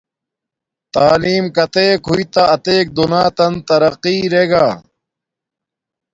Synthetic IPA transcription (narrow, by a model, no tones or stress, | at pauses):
t̪aːliːmkɐt̪eːkɦuit̪ɐɐt̪eːk̚d̪unaːt̪ɐnt̪ɐɾɐqiːɾeːɡaː